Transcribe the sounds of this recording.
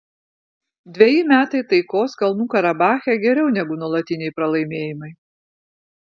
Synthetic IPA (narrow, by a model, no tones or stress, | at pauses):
d̪ʲʋʲɛjɪmʲæːt̪ɐɪt̪ɐɪkoːskɐlˠnuːkɐɾɐbɑːxʲɛɡʲɛɾʲɛʊnʲɛɡʊnuɔlˠɐt̪ʲɪnʲɛɪpɾɐlˠɐɪmʲeːjɪmɐɪ